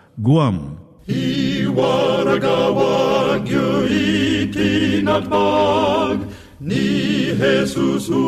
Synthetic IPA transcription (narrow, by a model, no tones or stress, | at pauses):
ɡuam | iwaɾɐɡawaɡjoit̪ʰinɐt̪ba | ɡ | niɦesusu